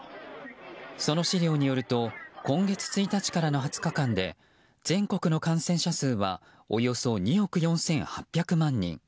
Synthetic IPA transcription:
so̞no̞ɕiɾʲo̞ːɲ̟ijo̞ɾɯ̟t̪o̞kõ̞ŋɡe̞t͡sɨ̥t͡sɨit̪at͡ɕi̥kaɾano̞ɦat͡sɨ̥kakãnd̪e̞̰ | d͡zẽ̞ŋko̞kɯ̟no̞kãɰ̃sẽ̞ɰ̃ɕasɨːβa̰ | ojo̞so̞ɲ̟io̞kɯ̟jõ̞ɰ̃sẽ̞ɰ̃hapʲːjakɯ̟mãɲ̟ːḭ̃ŋ

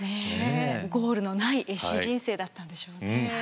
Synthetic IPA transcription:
neɡo̞ːɾɯ̟no̞naiʔe̞ɕiʑĩɰ̃se̞ːd̪at̪ːãnd̪e̞ɕo̞ːne

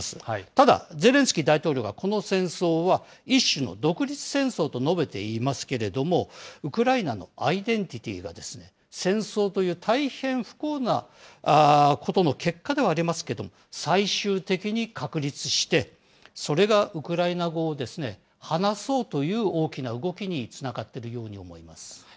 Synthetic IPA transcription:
sɨ̥t̪ad̪a̰d͡ze̞ɾẽ̞ɰ̃sɨ̥kʲid̪ait̪o̞ːɾʲo̞ːɡako̞no̞sẽ̞ɰ̃so̞ːβa | iɕːɨno̞̰d̪o̞kɯ̟ɾʲit͡sɨ̥sẽ̞ɰ̃so̞ːt̪o̞no̞be̞t̪e̞̰imasɨ̥ke̞ɾe̞d̪o̞mo̞ɯ̟kɯ̟ɾainano̞̰aid̪ẽ̞ɲt̪ʲit̪ʲḭɡa̰d̪e̞sɨne̞ | sẽ̞ɰ̃so̞ːt̪o̞jɯ̟ːt̪ʰaihẽ̞ɰ̃ɸɯ̥koːna̰ | ko̞t̪o̞no̞ke̞kːad̪e̞βaːɾʲimasɨ̥ke̞d̪o̞mosaiɕɨːt̪e̞kʲiɲ̟ikʰakɯ̟ɾʲit͡sɨɕi̥t̪e̞ | so̞ɾe̞ɡaʔɯ̟kɯ̟ɾainaɡo̞ːd̪e̞sɨne̞̰ | hanaso̞ːt̪o̞jɯ̟ːo̞ːkʲinaɯ̟ɡo̞kʲiɲ̟it͡sɨnaɡat̪ːe̞ɾɯ̟jo̞ːɲ̟io̞̰mo̞̰imasɨ̥

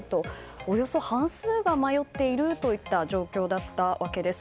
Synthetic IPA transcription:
t̪o̞ | ojo̞so̞hãɰ̃sɨːɡamajo̞t̪ːe̞iɾɯ̟t̪o̞it̪ːaʑo̞ːkʲo̞ːd̪at̪ːaβake̞d̪e̞sɨ̥

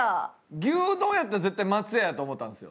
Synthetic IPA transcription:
aɡʲɨːd̪õ̞ɰ̃jat̪ːaɾaze̞t̪ːaimat͡sɨjajat̪oːmo̞t̪ːãnsɨjo̰

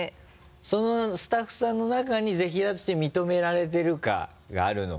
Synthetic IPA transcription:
so̞no̞sɨ̥t̪aɸːɯ̟̥sãnːo̞nakaɲ̟ize̞çiɾat̪i̥t̪emʲit̪o̞me̞ɾaɾe̞t̪̬e̞ɾɯ̟ka̰ | ɡa̰ːɾɯ̟no̰

